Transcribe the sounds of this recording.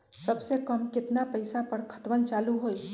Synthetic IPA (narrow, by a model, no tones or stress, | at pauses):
səbsekəmkɪt̪napəɪsapəɽkʰə̥t̪ʋənt͡ʃaːluɦoj